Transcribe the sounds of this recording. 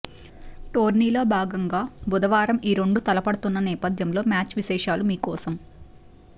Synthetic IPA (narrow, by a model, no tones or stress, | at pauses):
ʈo̞ːɾniːloːbʱaːɡɐŋɡaːbud̪ɐʋaːɾɐmiːɾeɳɖut̪ɐlɐpɐɽɐt̪unːɐnɛːpɐd̪ʱjɐmlo̞ːmjaːt͡ʃʋiʃɛːʂaːlumiːkɔːsɐm